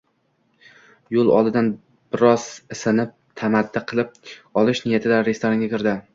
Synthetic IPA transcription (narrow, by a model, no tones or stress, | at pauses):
jolˠɒ̰lˠd̪ɪd̪an | b̥ɪɾɒz̥ɪsɪnɪp̚t̪ʰamad̪ːɪqʰɨlˠɪp̚ɒlˠɪʃnɪjat̪ʰɪd̪aɾest̪ʰoɾaŋɡʲakʲʰɪɾd̪ɪ